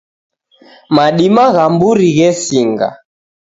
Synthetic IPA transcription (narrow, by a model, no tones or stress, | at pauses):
maɗimaɣambuɾiɣɛsiŋɡa̰